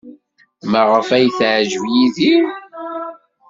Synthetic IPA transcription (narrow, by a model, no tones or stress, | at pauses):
məʁəfæjθʕʒvjiðim